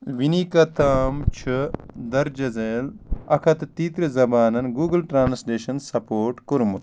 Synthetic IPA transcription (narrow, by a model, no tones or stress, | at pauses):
ʋinikɐt̪ʰaːmt͡ʃʰɨd̪ɐɾd͡ʒɐzeːlɐkʰɐt̪t̪iːt̪ɾizɐbaːnɐnɡuːɡɐlʈɾaːnsleːʃɐnsɐpoːɾʈkuɾmut̪